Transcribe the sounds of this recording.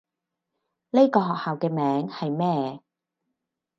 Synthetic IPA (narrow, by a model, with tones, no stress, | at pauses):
le˥jkɔː˧ɦɔː˨k̚haː˨wkɛː˧mɛː˨˥ŋhɐ˨jmɛː˥˩